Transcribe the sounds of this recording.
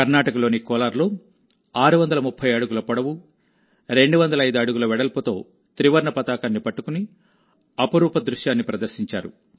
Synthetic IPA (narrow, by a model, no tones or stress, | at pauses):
kɐɾnaːʈɐkɐlo̞ːnikɔːlaːɾlo̞ː | aːɾuʋɐnd̪ɐlɐmupʰːɐjɐɽuɡulɐpɐɽɐʋu | ɾe̞ɳɖuʋɐnd̪ɐlɐjd̪uɐɽuɡulɐʋɛɽɐlput̪o̞̰ː | t̪ɾiʋɐɾɳɐpɐt̪aːkaːnːipɐʈːukuni | ɐpɐɾuːpɐd̪ɾuʂjaːnːipɾɐd̪ɐɾsiɲt͡ʃa̰ːɾṵ